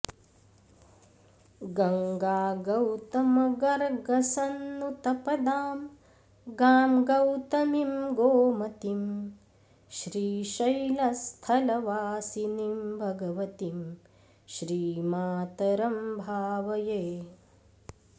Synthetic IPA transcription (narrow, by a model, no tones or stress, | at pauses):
ɡɐŋɡaːɡɐwt̪ɐmɐɡɐɾɡɐsɐnːut̪ɐpɐd̪aːm | ɡaːmɡɐwt̪ɐmimɡoːmɐt̪im | ʃɾiːʃɐjlɐst̪ʰɐlɐʋaːsinimbʱɐɡɐʋɐt̪im | ʃɾiːmaːt̪ɐɾɐmbʱaːʋɐjeː